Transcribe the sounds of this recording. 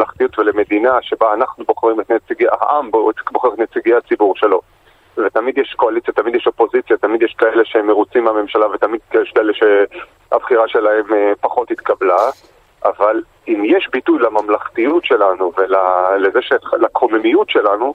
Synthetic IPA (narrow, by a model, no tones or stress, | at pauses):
laχt̪ijutveleme̞d̪inaʃe̞baːnaχnuboχʁimet̪net͡siɡeaha̰ʔambboχeʁtnet͡siɡeat͡sibuʁʃe̞lo̞ | vet̪amid̪jeʃko̞alit͡sjat̪amid̪jeɛʃo̞po̞zit͡sjat̪amid̪jeʃkaeleʃemeʁut͡simeame̞mʃalavet̪amid̪kjeɛʃkaeleʃe | a̰bχiʁaʃe̞lahe̞mepaχo̞t̪hit̪kabla | ʔaval | imjeʃbitujlamamlaχtijutʃe̞lanuvelalezeʃelakomemijutʃelanu